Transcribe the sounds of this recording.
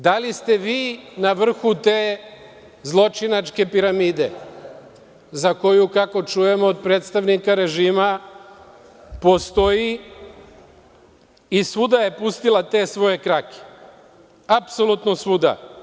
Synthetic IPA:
d̪alist̪e̞ʋiːnaʋr̩xut̪eː | zlˠo̞t͡ʃinat͡ʃke̞piɾamiːd̪e̞ | zako̞jukako̞t͡ʃuje̞mo̞ːd̪̚pɾeːt̪st̪aʋnikaɾe̞ʒiːma | po̞st̪o̞ji | isud̪aje̞pust̪ilˠat̪e̞ːsʋo̞je̞kɾake̥ | apso̞lut̪nosud̪a̰

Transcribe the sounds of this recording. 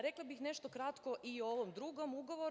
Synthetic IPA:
ɾeklˠabixneʃt̪okɾat̪koʔioʋomd̪ɾuɡomuɡoʋo

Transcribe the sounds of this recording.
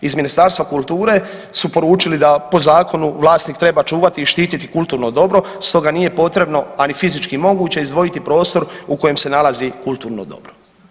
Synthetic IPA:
izminist̪aɾst̪ʋakulˠt̪uːɾe̞ | supo̞ɾuːt͡ʃilid̪apo̞zaːko̞nuʋlaːst̪nikt̪ɾe̞bat͡ʃuːʋat̪iːʃt̪iːt̪it̪ikulˠt̪uːɾno̞d̪o̞bɾo̞ | st̪o̞ɡaniːje̞po̞t̪ɾe̞bno̞anifizit͡ʃkimo̞ɡuːt͡ɕe̞izd̪ʋo̞jit̪ipɾo̞ːst̪o̞ɾuko̞je̞mse̞nalˠazikulˠt̪uːɾno̰d̪o̞̰bɾo

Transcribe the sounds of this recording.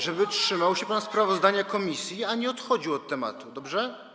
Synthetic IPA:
ʐɛbɘtʂɘmawɕɛpanspɾavɔzd̪aɲakɔmʲisʲjiaɲɛɔt̪xɔd͡ʑiwɔt̪ːɛma̰t̪ud̪ɔbʐɛ

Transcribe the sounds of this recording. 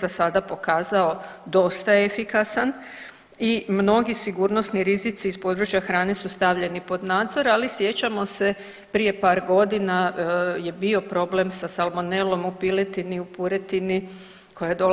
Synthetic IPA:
zasad̪apo̞kaːzao̞d̪o̞st̪aefikasan | imno̞ɡisiɡuːɾno̞sniɾizit̪siːspo̞ːd̪ɾut͡ɕjaxɾaːne̞sust̪aʋʎe̞nipo̞d̪naːd̪zo̞ɾalisje̞t͡ɕamo̞se̞ | pɾije̞paːɾɡo̞d̪inaje̞bio̞pɾo̞ble̞msasalˠmonelo̞mupilet̪iniupuɾet̪ini | kʰo̞jad̪o

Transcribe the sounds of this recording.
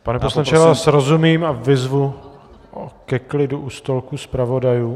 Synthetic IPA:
panɛposlaɲpt͡ʃɛvaːaːsɾozumiːmavɪzvu | ʔokɛklɪduʔust̪olkuspɾavo̞dajuː

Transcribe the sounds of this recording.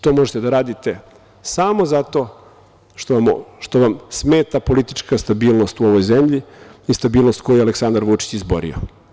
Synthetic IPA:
t̪o̞moʒet̪ed̪aɾaːd̪it̪e̞ | samo̞zat̪o̞ | ʃt̪oʃt̪oʋamsmeːt̪apo̞lit̪it͡ʃkast̪abiːlˠno̞st̪uo̞ʋo̞jzemʎiist̪abiːlno̞st̪ko̞jujɛaleksand̪aɾʋut͡ʃi̥t͡ɕizbo̰ɾḭo̰

